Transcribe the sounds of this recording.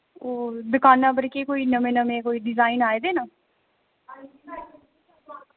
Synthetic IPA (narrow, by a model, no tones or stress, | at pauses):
oːd̪ʊkaːnːãːbəɾkeːkoːiːnəmẽːnəmẽːkoːiːɖɪzaːinaːed̪eːnaː